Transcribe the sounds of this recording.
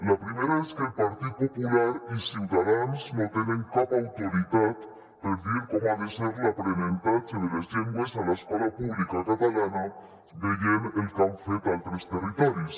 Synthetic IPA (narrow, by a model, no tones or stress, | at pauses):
lapɾimeɾaeskelpaɾt̪it̪̚populaɾisiwðaðansnot̪enẽŋkapawt̪oɾit̪at̪ː | elfeɾkomoaðeseɾlapɾenẽnt̪ant͡ʃeðelezʎeŋɡwesalaeskolapuβlikakat̪alana | beʝenelkawfed̪alt̪ɾest̪erit̪ɔɾis